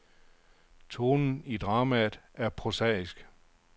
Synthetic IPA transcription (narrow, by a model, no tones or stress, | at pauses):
t͡sʰo̝ːnn̩id̥ʁɑ̈ːmæð̩ˠæɐpʰʁosɛ̰isɡ̥